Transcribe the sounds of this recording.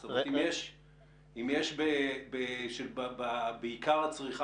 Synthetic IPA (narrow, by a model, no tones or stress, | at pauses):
stomet̪imjeʃ | imjeʃbebeʃebbabeikaʁat͡sʁiχa